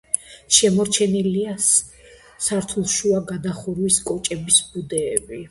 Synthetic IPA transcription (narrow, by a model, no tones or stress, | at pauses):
ʃɛmɔɾt͡ʃʰɛnilia | saɾt̪ʰulˠʃuaɡad̪aχuɾwiskʼɔt͡ʃʼɛbisbud̪ɛːbi